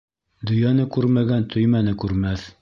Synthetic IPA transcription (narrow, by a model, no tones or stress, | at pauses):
d̪ɵ̆jɑnɤkʉɾmæɡænt̪ʰɵjmænɘkʉɾmæθ